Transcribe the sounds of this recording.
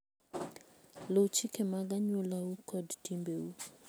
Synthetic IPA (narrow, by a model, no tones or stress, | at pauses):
lout͡ʃikɛmaɡaɲulaukʰɔdtimbeu